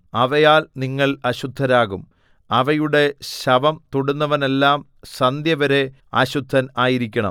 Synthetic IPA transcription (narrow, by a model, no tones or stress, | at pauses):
ɐʋɐjaːlniŋːɐɭɐɕud̪ʱːɐɾaːɣum | ɐʋɐjuɽe̞ɕɐʋɐmt̪uɽunːɐʋɐne̞lːaːm | sɐnd̪jɐʋɐɾe̞ | ɐ̰ɕud̪ʱːɐnaːjiɾikʲːɐɳɐ̰m